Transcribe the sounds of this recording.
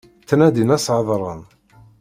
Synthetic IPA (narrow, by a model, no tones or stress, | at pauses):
t͡sːnæd̪inæsʕðˤɾˤən